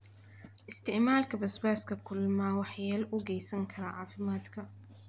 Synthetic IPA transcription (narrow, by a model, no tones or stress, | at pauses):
ʔɪst̪ɪʕmaːlkabasbaːskakʊlːmaːwaħjalʔuɡajsaŋkʰaɾˤaʕaːfɪmaːt̪ka